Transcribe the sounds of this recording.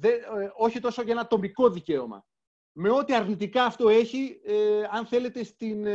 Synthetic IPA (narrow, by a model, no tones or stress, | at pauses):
ðeo̞çit̪o̞soʝenɐt̪o̞miko̞ðice̞o̞mɐ̰ | me̞o̞t̪iɐɾnit̪ikɐːft̪o̞e̞çiɐnθe̞le̞t̪e̞st̪in